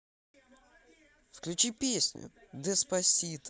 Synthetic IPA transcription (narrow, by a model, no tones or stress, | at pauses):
fklʲʉt͡ɕipʲesʲnʲʊ̰d̪əspɐsʲit̪